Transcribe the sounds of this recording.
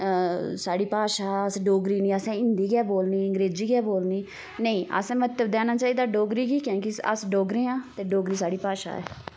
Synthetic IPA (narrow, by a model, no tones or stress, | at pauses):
saːɽiːpaːʃaːəsɖoːɡɾiːnĩːəsɛ̃ːɪnd̪iːɡɛːboːlniːəŋɡɾeːd͡ʒiːɡɛːboːlniː | nəĩːʔə̰sɛ̃mət̪ːəbd̪ɛːnaːt͡ʃaːiːd̪aːɖoːɡɾiːkiːkõːkɪə̰sɖoːɡɾeːãːt̪eːɖoːɡɾiːsaːɽiːpaːʃa̰ːɛ̰ː